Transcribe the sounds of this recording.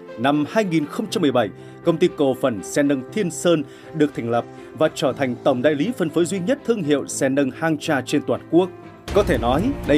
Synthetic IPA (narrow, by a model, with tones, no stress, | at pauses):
na˧mhaː˧jŋi˨˩nxə˧wŋ͡mt͡ɕa˧mːɨ˨˩əjɓa˧˩j | kə˧wŋ͡mt̪i˧ko˨˩fə˨˩nsɛ˧nə˧ŋt̪ʰi˧ənsəː˧n | ɗɨ˨˩ək̚t̪ʰa˨˩ŋ̟lə˨˩p̚ | vaː˨˩t͡ɕəː˧˩t̪ʰa˨˩jŋ̟t̪ə˧˩wŋ͡mɗa̰ː˧˨jli˨˦fə˧˩nfəː˨˦jzwi˧ɲə˦˥t̚t̪ʰɨ˧əŋɦḭ˧˨əwsɛ˧nə˧ŋhaː˧ŋt͡ɕaː˧t͡ɕe˧nt̪waː˨˩nku˦˥ək̚ | kɔ˨˦t̪ʰe˧˩nɔ˨˦jɗə˧